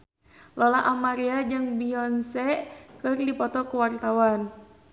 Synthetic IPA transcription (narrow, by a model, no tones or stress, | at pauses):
lɔlaʔamaɾiad͡ʒɨŋbiɔnsɛkɨrdipɔt̪ɔkuwart̪awan